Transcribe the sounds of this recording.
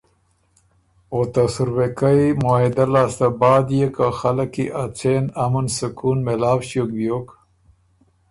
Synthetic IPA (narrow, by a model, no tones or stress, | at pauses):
ot̪asuɾwekajmoid̪alaːst̪abaːd̪jekaxalakiʔat͡seːnamɐnsukʰuːnmelaːwɕok̚bjok